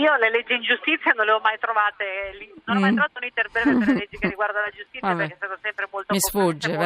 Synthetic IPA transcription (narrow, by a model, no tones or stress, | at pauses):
iːoleled͡ʒːiind͡ʒust̪it̪sːjanonleɔmajt̪ɾovaːt̪elinonmaj̪ɾovaːt̪ounit̪erbɾɛːmvepeɾlleled͡ʒːikerːiɡward̪alad͡ʒust̪it̪ajabeɾɛkeɛst̪aːt̪osɛmpɾemolt̪omisfud͡ʒːev